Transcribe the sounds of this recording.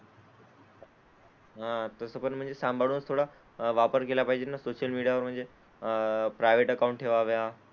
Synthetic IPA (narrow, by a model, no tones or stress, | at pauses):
ɦãt̪əsəpəɳm̤əɳd͡zesãmbʱaɭɽunəst̪ʰoɽa | ʋapəɾkelapaɦid͡ʑenasoɕəlmiɽijaʋəɾm̤əɳd͡ze | pɾajʋeʈəkaũɳʈʰeʋaʋea